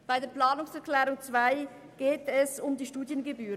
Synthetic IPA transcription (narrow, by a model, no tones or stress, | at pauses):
b̥aɪdeːɐplaːnʊŋsɛɐklɛːʁʊŋt͡sv̥aɪ | ɡ̥eːtɛsʊmdiːʃtuːdjənɡebyːʁə